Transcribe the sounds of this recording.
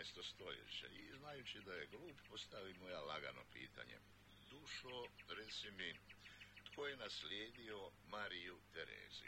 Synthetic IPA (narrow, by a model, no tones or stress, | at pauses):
est̪ost̪o̞jḛt͡ɕḛiznajut͡ɕid̪ajeɡluːppo̞st̪aʋimo̞jalaɡa̰no̰pḭːt̪a̰ɲḛ | d̪uʃoɾet̪simi | t̪kojenaslʲjeːd̪io̞maɾijut̪eɾḛːzḭ